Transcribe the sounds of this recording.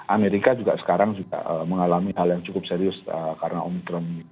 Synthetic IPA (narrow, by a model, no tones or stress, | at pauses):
ʔameɾikad͡ʒuɡaʔsə̥kaɾaŋd͡ʒuɡa̰əməŋalamiɦaljaŋt͡ʃukʊp̚seɾiʊsəkaɾənaʔɔmt̪ɾəmi